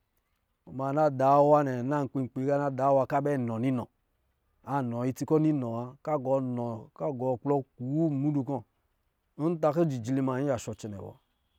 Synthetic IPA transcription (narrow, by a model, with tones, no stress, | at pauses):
o˨ma˨˧˨na˦da˨˦wa˦nɛ˨na˦˨ŋ̩˨k͡pi˧˨ŋ͡m̩˨k͡pe˨˦ka˦na˦˨da˨˦wa˧ka˦bɛ˦˨nɔ˨ni˦nɔ˨ | a˨nɔ˨i˧ti˧kɔ˦ni˦nɔ˨a˧ka˦ɡɔ˨˧˦nɔ˨ka˦ɡɔ˨k͡plɔ˦ku˨wu˦˨mu˦du˧kɔ˦ | o˦n̩˦ta˧ke˦d͡ʒi˨d͡ʒi˨li˦˧ma˨ɲi˦a˨ʃɔ˧t͡ʃɛ˨nɛ̰˨wɔ̰˨